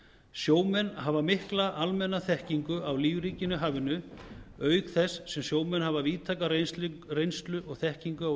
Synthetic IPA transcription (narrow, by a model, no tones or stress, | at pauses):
sjoːwmɛnːɦavamɪhklaʔalmɛnːaθɛhciŋkʏʔawliːvɾiːcɪnʏɦaːvɪnʏœːɥkθɛsːɛmsjoːwmɛnɦavaviːt̪ʰaːkarrejnst̪lʏʔɔɣθɛhciŋkʏa